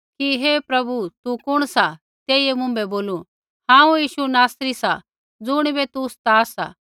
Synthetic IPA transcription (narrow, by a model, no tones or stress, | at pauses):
kiɦeːpɾɐbut̪ukʊɽ̃sa | t̪eːiemʊ̃mbɛboːlu | hãːũjiːʃunaːsɾisa̰ | d͡zʊɽ̃bet̪ust̪aːsa̰